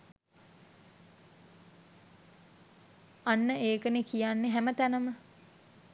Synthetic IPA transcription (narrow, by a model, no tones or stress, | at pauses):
anːəeːkənekijanːeɦæmət̪ænəmə